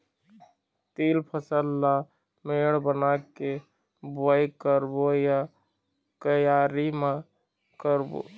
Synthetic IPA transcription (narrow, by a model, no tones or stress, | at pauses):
t̪iːlpʰəsəlːa | meːɽbənake | bəjkəɾboja | kəjaːɾima | kəɾbo̰